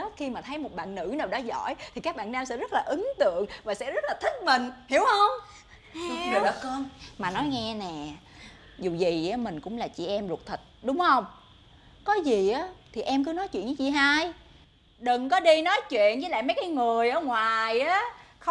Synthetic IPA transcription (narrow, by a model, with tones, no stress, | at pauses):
xi˧maː˨˩t̪ʰə˨˦jmo˨˩t̚ɓa̰ː˧˨nːɨ̰˧˥naː˨˩wɗa˨˦zɔ̰˧˥˨jt̪ʰi˨˩kaː˦˥k̚ɓa̰ː˧˨nːaː˧msɛ̰˧˥zə˦˥t̚laː˨˩ʔɨ˨˦ŋt̪ɨ̰˧˨əŋvaː˨˩sɛ̰˧˥zə˦˥t̚laː˨˩t̪ʰï˦˥k̚mï˨˩ŋ̟hi˧˩əwhə˧wŋ͡m | ɨ˨˩ɗɔ̰˨˦kɔ˧nmaː˨˩nɔ˨˦jŋɛ˧nɛ˨˩ | zu˨˩zi˨˩ʔaː˨˦mï˨˩ŋ̟kʊ̰˧˥ŋ͡mlaː˨˩t͡ɕḭ˧˨ʔɛ˧mlt̚t̪ʰi˨˩t̚ɗʊ˨˦ŋ͡mhə˧wŋ͡m | kɔ˨˦zi˨˩ʔaː˨˦t̪ʰi˨˩ʔɛ˧mk̬ɨ˨˦nɔ˨˦jt͡ɕwḭ˧˨nɲə˨˦t͡ɕi˧˩ɦaː˧j | ɗɨ˨˩ŋkɔ˨˦ɗi˧nɔ˨˦jt͡ɕwḭ˧˨ənzɨ˧˦la̰ː˧˨jmə˨˦jkaː˨˦jŋɨ˨˩əjʔəː˧˩ŋwaː˨˩jʔaː˨˦ | xə˧